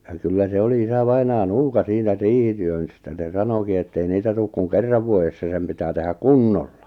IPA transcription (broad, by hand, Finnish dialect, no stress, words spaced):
jɑ kylːæ se oli isɑʋɑinɑː nuːkɑ siːnæ riːhityøn stæ se sɑnoki etːei niːtæ tuːk kuŋ kerːɑʋ ʋuojesːɑ sem pitæː tehæ kunːolːɑ